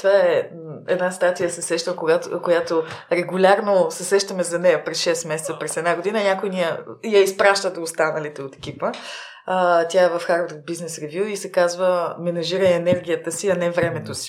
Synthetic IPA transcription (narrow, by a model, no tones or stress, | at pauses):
t̪ovaɛ | ɛ̰d̪nast̪at̪ijəsɛsɛʃt̪əkoɡakojat̪oɾɛɡʊlʲaɾnosɛsɛʃt̪əmɛzɐnɛjɐpɾɛsʃɛst̪mɛsɛt̪səpɾɛsɛd̪naɡod̪inənʲakojnijəjɐispɾaʃt̪əd̪oːst̪anəlit̪ɛot̪ɛ̥k̟ipə | t̪ʲjaɛvɐfxaɾvɾvbiznɛsɾɛvʲjuisɛkazvəmɛnɐʒiɾəɛnɛɾɡʲijət̪əsiɐnɛvɾɛmɛt̪osi̥